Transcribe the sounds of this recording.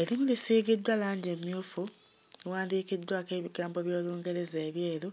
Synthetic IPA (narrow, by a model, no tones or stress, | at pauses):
e̞ɾimulisiːɡidːwalaːɲɟemjuːfu | ewaːndiːkidːwakeːβiɡaːmbo̞βjo̞ːluːŋɡe̞ɾe̞zeːβje̞ːɾu